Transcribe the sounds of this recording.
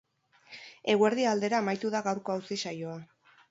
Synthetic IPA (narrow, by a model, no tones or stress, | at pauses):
e̞ɣwe̞ɾðiald̪e̞ɾaːmajt̪uðaɣawɾko̞awsisajo̞a